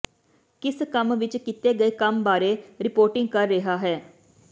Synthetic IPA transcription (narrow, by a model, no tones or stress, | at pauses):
kɪskəmʋɪt͡ʃkɪt̪eːɡəeːkəmbaːɾeːɾɪpoːɾʈɪ̃ŋɡ̚kəɾːɪɦaːɦɛː